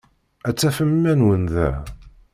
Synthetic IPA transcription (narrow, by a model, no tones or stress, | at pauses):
æt͡sːæfəmːænwənðæ̰